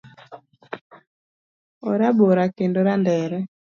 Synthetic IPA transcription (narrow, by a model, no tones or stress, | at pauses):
oɾaboɾakendoɾandɛːɾɛ